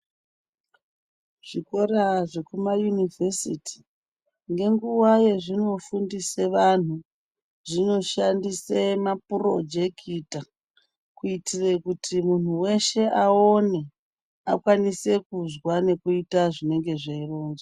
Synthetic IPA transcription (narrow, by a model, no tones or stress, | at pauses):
ʐ̥iko̞ɾaʐe̞kumajunivʱesitʰi̥ | ŋɡe̞ŋɡuwaje̞ʐino̞fundise̞ʋan̤u | ʐino̞ʃandisemapuro̞d͡ʒe̞kʰita | kuitirekutʰimun̤uwe̞ʃe̞aone̞ | a̰kwanise̞kuzwane̞kuitaʐine̞ŋɡe̞ʐeiroːnza